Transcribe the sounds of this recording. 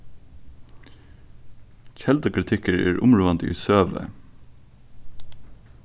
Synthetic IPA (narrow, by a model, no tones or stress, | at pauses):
c͡çɛld̪okʰɹɪt̪ʰɪkəɹḛːɹʔʊmɹuːʋɑnd̪ḭːsøːʋə̰